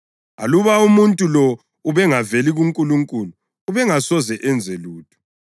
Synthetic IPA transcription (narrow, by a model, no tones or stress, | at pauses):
a̰luβaumuntʼulɔ | uβɛŋaveliɣuŋkʼuluŋkʼuluː | βɛŋasɔzɛʔɛnd͡zʱeluːtʰu̥